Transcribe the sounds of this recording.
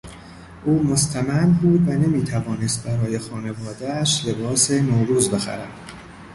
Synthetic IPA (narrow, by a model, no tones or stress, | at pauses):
ʔuːmo̞st̪ʰæmæmbuːd̪væne̞miːt̪ʰævɒːnest̪̚bæɾɒːje̞xɒːne̞vɒːd̪æʃle̞bɒːsenoɾuːzbe̞xæ̰ɾæ̰d̪̥